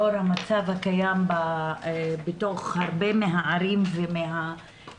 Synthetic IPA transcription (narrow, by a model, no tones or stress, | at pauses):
oɾhamat͡savhakajamba | beto̞χhaʁbemeɦaaɾimvemeɦa